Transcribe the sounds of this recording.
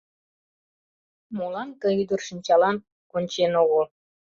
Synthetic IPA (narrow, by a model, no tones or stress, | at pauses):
molɑnkə̆yd̪ərʃinʲt͡ɕɑlɑn | konʲt͡ɕenoɣol